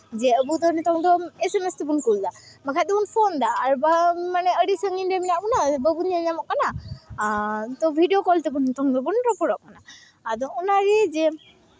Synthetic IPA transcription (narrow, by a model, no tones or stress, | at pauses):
zɛəbud̪ɔnɔt̪ʰɔŋd̪ɔesemestɛbunkuld̪amakʰad̪ɛunpʰɔnd̪aːɾubamanɛəɾisəŋindeminaʔkɔnabəbunaɲamɔʔkːana | t̪ɔbʱidijokɔltɛbunːt̪ʰɔŋd̪ɔbuntɔpɔɾɔʔ̚anaː | d̪ɔunaɹizɛ